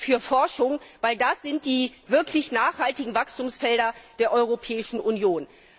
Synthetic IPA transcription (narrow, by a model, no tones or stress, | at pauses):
fyːɐfɔɐʃʊŋvaɪldasz̥ɪnt̚d̥iːvɪɐklɪçnaːχhaltɪɡŋ̩vakstuːmsfɛldɐd̥eːɐʔɔʏʁ̞opʰɛːɪʃn̩ʔʊnjoːn